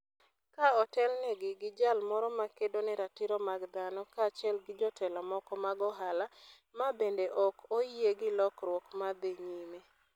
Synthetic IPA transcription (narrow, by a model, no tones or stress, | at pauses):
kaɔtɛlnɛɡɪɡɪd͡ʒalmɔɾɔmakedonɛɾatɪɾɔmaɡd̪anɔkaːt͡ʃɛlɡɪd͡ʒɔtʰɛlamɔkɔmaɡɔɦala | mabendeʔɔkoieɡɪlɔkɾwɔkmad̪eɲime